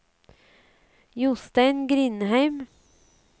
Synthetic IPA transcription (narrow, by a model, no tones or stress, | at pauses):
jʊst̪æɪnɡɾɪnhæɪm